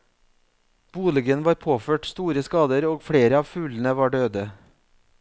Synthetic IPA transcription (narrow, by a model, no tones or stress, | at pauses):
b̥uːlɪɡənʋɑːɾpʰoːføːʈst̪uːɾəskɑːd̪əɾoːɡfɽeːɾəɑːʋfʉːln̩əʋɑːɖøːd̪ə